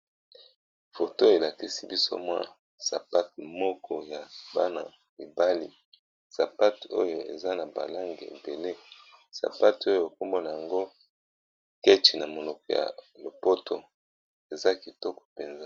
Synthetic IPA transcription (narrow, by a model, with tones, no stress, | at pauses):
fo˨to˦e˨la˨ki˦si˦bi˦so̰˦mwa̰˦ | sa˨pa˦t̚mɔ˦kʰɔ˦ja˨ba˦na˨ | i˨ba˦li˨ | sa˨pa˦to̰˦jo˨ḛ˨za˦na˨ba̰˨la˦ŋɡe˨ḛ˨be˨le˦ | sa̰˨pa˦to˦jo˨e˨k̚o˦mbo˦na˨ja˨ŋɡo˦ | ke˦t͡ʃi˨na˨mo˨lɔ˨kɔ˨ja̰˨lo˨po˦to˨ | e˨za˦ki˨tɔ˦kɔ̥˨pe˨nza˦